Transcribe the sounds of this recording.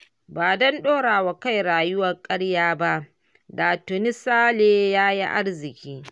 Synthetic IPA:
baː˨dɐ˦nɗoː˦ɽaː˨wa˨ka˦jɾaː˨jʊ˦wɐ˨rkʼɐ˦ɽjaː˦ba˦ʔ | daː˨tʊ˨nɪ˦saː˦leː˨jaː˦jḭ˦ʔa̰˦rzɪ˨kʲiː˦

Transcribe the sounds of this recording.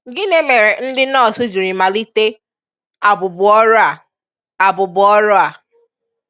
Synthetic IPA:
ɡɪ˦ne˦me˨ɾe˨n̩˦dɪ˦nɔ˦˨sʊ˦d͡ʒu˨ɾi˨ma˨li˦te˦ | a˨bʊ˨bʊ˨ɔ˦ɾʊ˦a˨ | a˨bʊ˨bʊ˨ɔ˦ɾʊ˦a˨

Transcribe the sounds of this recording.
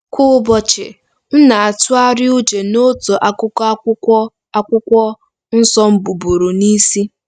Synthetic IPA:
kʰʊ˦bɔ˦t͡ʃɪ˨ | n̩˦na˨a˨tʊ˦a˦ɾɪ˦u˦d͡ʒe˨no˦to˨ʔa˨˦kʊ˦ka˦kʷʊ˦ɔ˦ | a˦kʷʊ˦kʷɔ˦ | n̩˦sɔ˦m̩˦bu˨bu˨ɾu˨ni˦si˦

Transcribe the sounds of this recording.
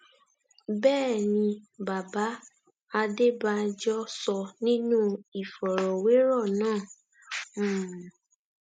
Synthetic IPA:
bɛː˦˨nĩ˧ba˨ba˨˦ | a˧de˦ba˧d͡ʒɔ˦sɔ˧nĩ˦nũ˦i˨fɔ˨ɾɔ˨we˨˦ɾɔ˦˨nãː˦˨˦

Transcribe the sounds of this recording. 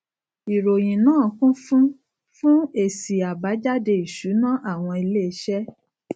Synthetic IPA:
i˨ɾo˨j̃ĩ˨nãː˦˨˦kũ˦fũ˦ | fũ˦e˦˨si˨a˨ba˨˦d͡ʒa˦de˧i˨ʃu˨˦nã˦ʔa˦˨w̃ɔ̃˧e˧leː˦ʃɛ˦

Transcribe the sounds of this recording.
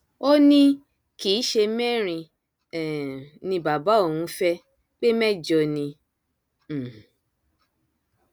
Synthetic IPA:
o˦nĩ˦ | kiː˨˦ʃe˧mɛ˦˨ɾ̃ĩ˧ | ɛ˨nĩ˧ba˨ba˨˦o˦˨hũ˧˦fɛ˦ | k͡pe˦mɛ˦d͡ʒɔ˧nĩ˧˨

